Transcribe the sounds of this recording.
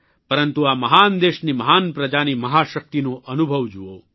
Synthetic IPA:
pɐɾɐnt̪uaːmɐɦaːnd̪eːʃnimɐɦaːnpɾɐd͡ʒaːnimɐɦaːʃɐk̚t̪inoʔɐnubʱɐʋd͡ʒuʋo̰ː

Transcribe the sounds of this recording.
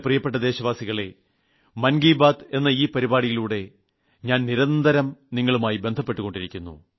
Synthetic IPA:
prijɐpːe̞ʈ̬ːɐd̪e̞ːɕɐʋaːsiɣɐɭe̞ | mɐnɡiːbaːd̪e̞nːɐiːpɐɾibaːɽijiluːɽe̞ | ɲaːnniɾɐnd̪ʱɐɾɐmniŋːɐɭumaːjibe̞nd̪ʱɐpːe̞ʈːuɣo̞ɳɖiɾikʲːunːṵ

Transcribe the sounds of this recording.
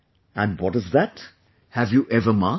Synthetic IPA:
æ̃nwɔtɨzðæt | hævjuʔɛvəma

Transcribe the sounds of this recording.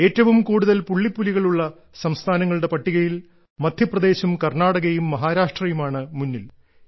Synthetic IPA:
e̞ːtːɐʋumkuːɽuðɐlpuɭːipːuliɣɐɭuɭːɐ | sɐmst̪ʰaːnɐŋːɐɭuɽe̞pɐʈːiɣɐjil | mɐd̪ʱjɐprɐd̪e̞ːɕumkɐrnaːɽɐɣɐjumːɐɦaːɾaːʂʈrɐjumaːɳɨmunːil

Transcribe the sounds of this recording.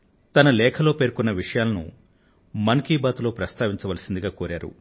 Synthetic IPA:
t̪ɐnɐlɛːkʰɐlo̞ːpeːɾkunːɐʋiʂɐjaːlɐnṵ | mɐnkiːbaːt̪ulo̞ːpɾɐst̪aːʋiɲt͡ʃɐʋɐlɐsind̪iɡaːkoːɾaːɾṵ

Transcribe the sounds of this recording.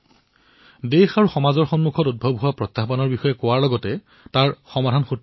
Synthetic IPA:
dexaɹuxɔmazɔɹxɔnmukʰɔtud̚bʱɔbɦʊwapɹɔtːaɦbanɔɹbixɔjɛkʊwaɹlɔɡɔtɛ | taɹxɔmadʱanxot

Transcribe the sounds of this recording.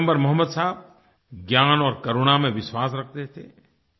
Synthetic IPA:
mbəɾmɐɦəmːəd̪saɦb̚ | ɡjaːnɔːɾkɐɾuɽ̃amẽʋɪʃwaːsɾɐk̚ʰt̪et̪ʰeː

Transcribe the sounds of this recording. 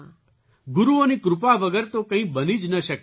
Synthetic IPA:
ɡʊɾuonikɾʊpaʋəɡəɾt̪okə̃ɦĩbənid͡ʒnəʃək

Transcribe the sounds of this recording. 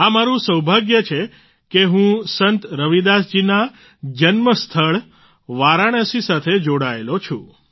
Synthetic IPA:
amaɾũsəwbʱaɡjət͡ʃʰe | keɦũsənt̪ɾəʋid̪asd͡ʒina | d͡ʒənməst̪ʰəɭ | ʋaɾaɽ̃əsisat̪ʰed͡ʒoɽaelot͡ʃʰṵ̃

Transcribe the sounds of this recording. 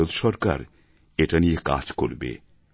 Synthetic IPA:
od̪ʃɔɾka̰ɾ | eʈanieka̰d͡ʑkoɾbḛ

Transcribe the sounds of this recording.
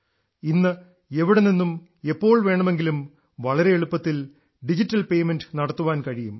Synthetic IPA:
inːɨ | eʋiɽeninːum | e̞pːo̞ːɭʋe̞ːɳɐme̞ŋɡilum | ʋɐɭɐɾe̞eɭupːɐt̪ːil | ɖid͡ʑitːɐlpe̞jmenɖɨnɐɽɐt̪ːuʋaːnkɐɻijum

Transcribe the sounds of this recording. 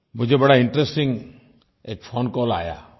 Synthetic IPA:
mʊd͡ʒʱebəɽaɪ̃ɳʈɾesʈɪ̃ŋɡ | eːk̚pʰoːnkɔːla̰ːja̰ː

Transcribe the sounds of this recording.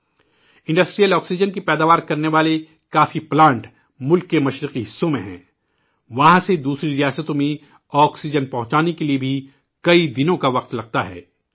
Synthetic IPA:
ɪ̃ɳɖɐsʈɾijəlɔːksid͡ʒənkipɛːd̪aːʋaːɾkɐɾneʋaːle | kaːfiplãːɳʈ | mʊlkːemɐʃɾɪqiɦɪsːõmẽɦɛ̰̃ː | ʋɐɦãsed̪uːsɾiɾijaːsət̪õmẽ | ɔːksid͡ʒənpɐɦʊ̃t͡ʃaːnekeliebʱi | kɐid̪ɪnõkaʋɐq̚t̪lɐɡ̚t̪aɦɛ̰ː

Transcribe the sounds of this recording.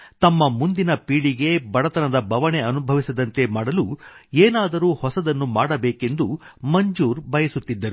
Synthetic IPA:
t̪ɐmːɐmund̪inɐpiːɽiɡe̞bɐɽɐt̪ɐnɐd̪ɐbʱɐʋɐne̞ɐnubʱɐʋisɐd̪ɐnt̪e̞maːɽɐlueːnaːd̪ɐɾuːhɔsɐd̪ɐnːumaːɽɐbeːke̞nd̪umɐɲd͡ʒuːɾbɐjɐsut̪ːid̪ːɐɾu

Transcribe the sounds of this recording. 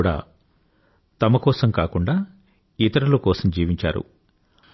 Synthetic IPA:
ɽa̰ː | t̪ɐmɐkɔːsɐmkaːkuɳɖaː | it̪ɐɾɐlukɔːsɐmd͡ʒiːʋiɲt͡ʃa̰ːɾṵ

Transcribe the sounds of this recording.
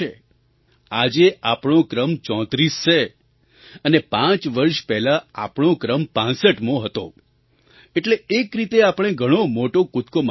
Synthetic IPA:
e | ad͡ʒeapɽ̃okɾəmt͡ʃɔ̃t̪ɾisʃe | ənepãt͡ʃʋəɾʃpɛɦlaa̰pɽ̃õkɾəmpãsəʈmõɦət̪õ̰ | eʈleːkɾit̪eapɽ̃eɡʱəɽ̃omoʈokʊt̪kom

